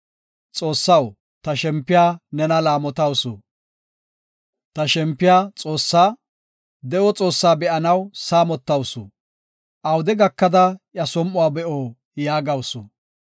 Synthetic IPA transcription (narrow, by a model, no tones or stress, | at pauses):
t͡sʼoːsːɐw | t̪ɐʃɛmpːɪjaːnɛnɐlaːmɔt̪ɐwsʊ̰ | t̪ɐʃɛmpːɪjaːt͡sʼoːsːaː | d̪ɛʔɔt͡sʼo̞ːsːaːbɛʔɐnɐwsaːmɔt̪ːɐwsʊ̰ | ʔɐwd̪ɛɡɐkːɐd̪ɐjjɐsɔmːʊaːbɛʔoː | jaːɡɐwsʊ